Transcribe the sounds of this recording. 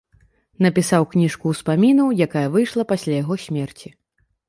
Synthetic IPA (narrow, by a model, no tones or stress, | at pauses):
nɐpʲisawknʲiʂkuwspamʲinɐwjakajɐvɨjʂlˠɐpasʲlʲajaɣɔsʲmʲɛrt͡sʲi